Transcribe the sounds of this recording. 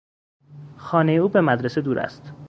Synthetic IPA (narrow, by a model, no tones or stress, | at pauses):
xɒːnejeuːbe̞mæd̪ɾese̞d̪uːɾʔæ̰st̪